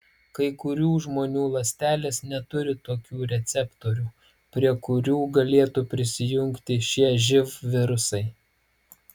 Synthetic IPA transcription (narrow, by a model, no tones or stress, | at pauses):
kɐɪkʊɾʲuːʒmoːnʲuːlˠɐsʲt̪ʲæːlʲeːsnʲɛt̪ʊɾʲɪt̪oːkʲuːɾʲɛt̪sʲɛpt̪oːɾʲuː | pʲɾʲiɛkʊɾʲuːɡɐlʲeːt̪upʲɾʲɪsʲɪjʊŋʲkt̪ʲɪʃʲiɛʒʲɪfʋʲɪɾʊsɐɪ